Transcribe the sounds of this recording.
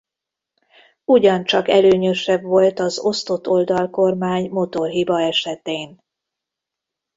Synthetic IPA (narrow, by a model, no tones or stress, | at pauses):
uɟɒnt͡ʃɒkɛløːɲø̞ʃɛbvo̞lt̪ɒzo̞st̪o̞t̪ːo̞ld̪ɒlko̞rmaːɲmo̞t̪o̞rɦibɒɛʃɛt̪eːn